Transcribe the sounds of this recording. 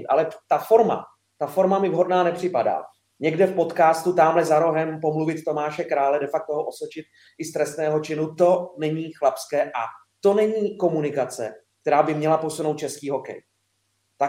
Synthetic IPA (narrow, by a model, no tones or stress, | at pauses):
t̪ʔa̰lɛt̪afo̞ɾma̰ | t̪afo̞ɾmamɪvɦo̞dnaːnɛpr̝̥ɪpada̰ː | ɲɛɡdɛfpo̞t̪kaːst̪ut̪aːmlɛzaɾo̞ɦɛmpo̞mluvɪt̪t̪o̞maːʃɛkɾaːlɛdɛfak̚t̪oɦoʔo̞sot͡ʃɪt̪̚ | ʔɪst̪ɾɛst̪nɛːɦo̞t͡ʃɪnut̪o̞nɛɲiːxlapskɛːʔa | t̪o̞nɛɲiːko̞munɪkat͡sɛ̰kkt̪ɛɾaːbɪmɲɛlapo̞suno̞wt̪̚t͡ʃɛskiːɦo̞kɛ̰j | t̪a